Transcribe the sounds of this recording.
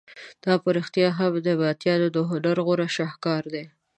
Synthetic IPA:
d̪̥ɑpəɾixt̪ijɑɦabd̪əbat̪jɑd̪od̪əɦoɖaɾɣʊɾaʃɑhkɑɾd̪e

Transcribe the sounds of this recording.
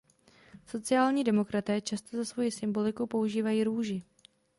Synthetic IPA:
so̞t͡sɪaːlɲiːdɛmo̞kɾat̪ɛːt͡ʃast̪o̞zasvo̞jɪsɪmbo̞lɪkupo̞uʒiːvajiːɾuːʒɪ

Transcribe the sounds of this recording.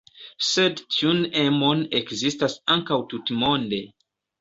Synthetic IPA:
sedtʰiunemo̞nekzistasaŋkawtutmo̞nde̞

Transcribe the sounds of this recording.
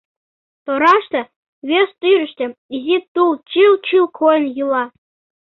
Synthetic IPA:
t̪oɾɑʃt̪ɤ̆ | βest̪yɾə̆ʃt̪ʲɘ̆izit̪ult͡ɕilt͡ɕylkʰojənjɯlɑ

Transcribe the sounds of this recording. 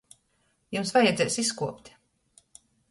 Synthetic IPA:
jumsvajɛd̪zɛːjsiskuɔpt̪ʲ

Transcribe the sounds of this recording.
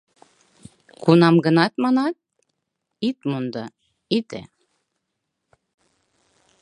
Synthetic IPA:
kunɑmɡənɑt̪mɑnɑt̪̚ | it̪̚mund̪ɑ | it̪ḛ

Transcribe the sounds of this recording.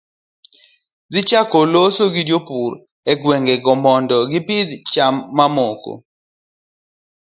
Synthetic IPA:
d͡zɪt͡ʃakolosoɡid͡ʒopuɾ | ɛɡweŋɡeɡɔmɔndɔɡɪpɪd̪t͡ʃamːamoko̰

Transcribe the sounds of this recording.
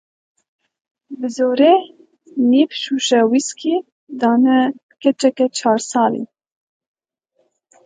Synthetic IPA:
bɨzoːɾe | nipʰʃuʃɛwiskʰi | d̪ɑːnɛ | kʰɛt͡ʃɛkɛt͡ʃʰɑːɾsɑːlḭ

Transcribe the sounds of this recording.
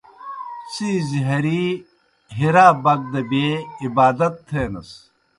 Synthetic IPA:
siːziɦɐɾi | ɦiɾaːbɐɡ̚d̪ɐbeibaːd̪ɐt̪ʰːeːnɐs

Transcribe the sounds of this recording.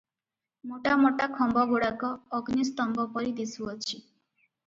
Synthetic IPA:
moʈamoʈakʰɔmbɔɡoɽakɔːɡnist̪ɔŋɡɔpɔɾid̪isuɔt͡ʃʰi

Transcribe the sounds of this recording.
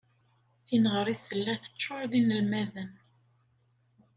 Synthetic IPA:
θinəʁəɾˤiðθəlːæθə̥t͡ʃːʊɾðinəlmæðən

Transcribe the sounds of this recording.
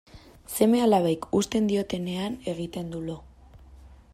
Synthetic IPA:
se̞me̞alaβ̞ajkust̪e̞nd̪io̞t̪e̞ne̞ane̞ɣ̞it̪e̞nd̪ulo̞

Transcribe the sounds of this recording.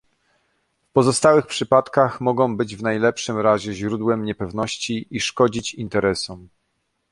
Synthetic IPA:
fpɔzɔst̪awɘxpʂɘpat̪kaxmɔɡɔ̃w̃bɘd͡ʑvn̪ajlɛpʂɘmɾaʑɛʑɾud̪wɛmɲɛpɛvnɔɕt͡ɕiʔiʂkɔd͡ʑit͡ɕint̪ɛɾɛsɔm

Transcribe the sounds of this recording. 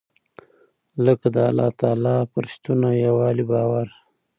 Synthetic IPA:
ləkd̪əalːɑ̰t̪ɑːlɑpʊɾʃt̪unajawɑlibɑwaɾ

